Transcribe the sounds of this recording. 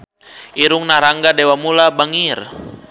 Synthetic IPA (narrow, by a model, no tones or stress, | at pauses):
iɾuŋnaɾaŋɡadɛwamulabaŋir